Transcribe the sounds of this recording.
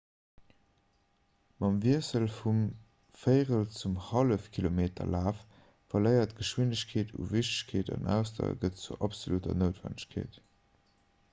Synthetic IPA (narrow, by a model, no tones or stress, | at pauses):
mɑmviəsəlfum | fəɪʁəlt͡sumhɑləfkʰilomeːtʰɐ̰laːf | fɐləɪɐtɡ̥əʃwindəɕkʰeːtʰṵviɕtə̥ɕkʰeːtɑ̰nʔæ̰ʊstʰɐ̰ɡətt͡suʔɑpsolutɐ̰nəʊtvæ̰nəɕkʰḛːt